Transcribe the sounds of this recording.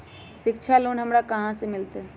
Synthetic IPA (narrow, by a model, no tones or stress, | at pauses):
sɪkt͡ʃʰaloːnɦəmɾakəɦãsemɪlt̪e